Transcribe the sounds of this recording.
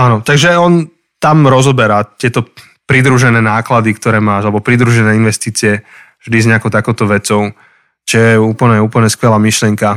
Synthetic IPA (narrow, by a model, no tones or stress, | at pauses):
aːnɔt̪aɡʒɛɔn | t̪amɾɔzɔbɛɾat̪ɪɛt̪ɔ | pɾid̪ɾuʒɛnɛːnaːklad̪ikt̪ɔɾɛːmaːʒalɛbɔpɾid̪ɾuʒɛnɛːinʋɛst̪iːt͡siɛvʒd̪izɲɛakɔʊt̪akɔʊt̪ɔʋɛt͡sɔʊ | t͡ʃɔjɛuːpl̩ɲɛuːpl̩ɲɛskʋɛlaːmiʃlɪɛŋka